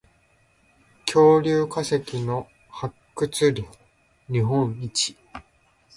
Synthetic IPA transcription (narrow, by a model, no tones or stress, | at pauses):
kʲʰo̞ːɾʲɨːkasekʲino̞ | hakːɯ̟t͡sɨɾʲi | ɲiɦõɰ̃it͡ɕi̥